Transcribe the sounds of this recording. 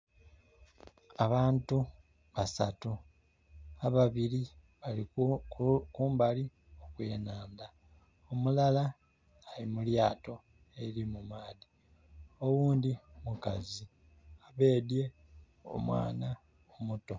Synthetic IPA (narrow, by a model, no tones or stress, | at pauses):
aβaːntu | βasatu | aβaβili | βalikkuːmbali | okwe̞ːnaːnd̪a | omulalaː | limuljaːto̞ | e̞ɾimumaːði | o̞wuːndimukazi | aβe̞ːdje̞ | o̞̰mwa̰ːna | omuto̞